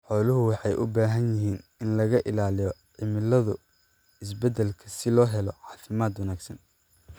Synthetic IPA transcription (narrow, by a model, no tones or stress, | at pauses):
ħɔːlʊɦʊwɑħɑjʔʊbaːɦɐnjɪɦiːnɪnlɐɣɐʔɪlaːlɪjɔʕɪmɪlɐðʊ | ɪs̬bɛd̪ɛlkʰɐsɪlɔːɦɛlɔʕɑːfɪmaːd̪wɐnaːɡsɐn